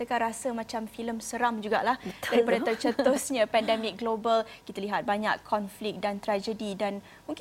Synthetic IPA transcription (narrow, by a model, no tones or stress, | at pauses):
t̪əkanɾasəmãt͡ʃamfiləmsəɾamd͡ʒuɡa̰ʔlahd̥aɾipadat̪ərt͡ʃət̪osɲə̃pɛndɛmik̚ɡlobəlkit̪aliɦat̪̚baɲa̰kʰːɔnflik̚dant̪ɾad͡ʒədidan | mũŋk